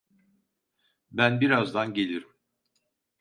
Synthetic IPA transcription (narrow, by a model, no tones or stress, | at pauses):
bænbiɾazd̪anɟe̞lʲiɾim